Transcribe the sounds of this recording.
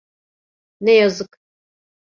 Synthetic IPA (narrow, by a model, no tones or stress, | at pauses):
nejɐzɨkʼ